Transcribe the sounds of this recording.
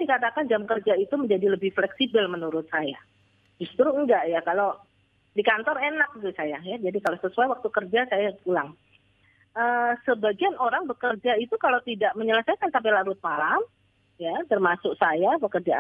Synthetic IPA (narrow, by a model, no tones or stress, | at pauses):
dikat̪akand͡ʒamkərd͡ʒait̪uməɲd͡ʒadiləbɪhflɛksibɪlmənuɾʊt̪̚saja̰ | d͡ʒust̪ɾuəŋɡaʔjakalo | dikant̪ɔrenak̚it̪usajajad͡ʒadikalosəsuajwak̚t̪ukərd͡ʒasajakulaŋ | əsəbaɡianoɾaŋbəkərd͡ʒait̪ukalowt̪idaʔməɲələsajkansampilaɾʊt̪̚malam | jat̪ərmasʊksajapəkərd͡ʒa